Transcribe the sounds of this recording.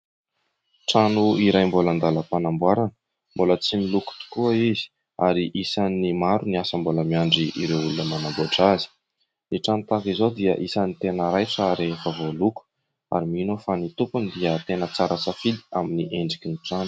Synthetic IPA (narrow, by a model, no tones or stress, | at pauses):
ʈ͡ʂanuiɾajmboland̪aləpanambwaɾanə̥ | mbolət͡similuku̥t̪u̥kuəizi̥ | a̰ɾiʔisanimaɾuniasəmboləmiaɳɖ͡ʐiiɾewulunəmanaɡoʈ͡ʂazi̥ | niʈ͡ʂanut̪akizod̪iə̰ʔisanit̪enəɾajʈ͡ʂaɾefavoluku̥ | a̰ɾiminofanit̪upund̪iət̪enət͡saɾasafid̪i̥aminiʔeɳɖ͡ʐikiniʈ͡ʂanu̥